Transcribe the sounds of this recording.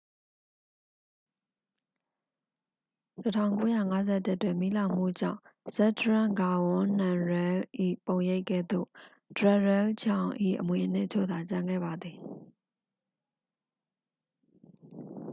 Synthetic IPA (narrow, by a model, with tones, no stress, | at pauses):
tətʰã̰˦˨ʊ̃ŋko˦jä̰˦˨ŋa˨˦zɛ˦˨tɪ˦˨twɪ̃˨mḭ˦˨lã˨m̥ṵ˦˨d͡ʑã̰˦˨z̥ɛ˦təɹã˦˨ŋɡa˨wʊ̃˦nã˨ɹɛ˦lʔḭ˦˨põ˨ʊ̃je˦ɪkːɛ̰˦˨d̪o̰˦˨ | d̥ɹɛ˨ɹɛ˦ld͡ʑã˨ʊ̃ʔḭ˦˨ʔəmwe˨ʔən̥ɪ̰˦ʔt͡ɕʰo̰˦˨d̪a˨t͡ɕã˨ŋɡɛ̰˦˨ba˨d̪ði˨